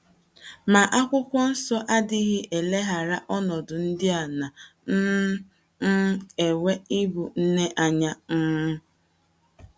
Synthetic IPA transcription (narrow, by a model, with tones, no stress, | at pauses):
ma˨ʔa˦kʷʊ˦kʷɔ˦n̩˦sɔ˦ʔa˦dɪ˦ɣɪ˦ʔe˨le˦ɦa˨ɾa˦ʔɔ˦nɔ˨dʊ˨n̩˦dɪ˦a˨na˨n̩˦ | e˨we˦i˦bu˨n̩˦ne˦ʔa˨ɲa˦ŋ̩˦mʊ˦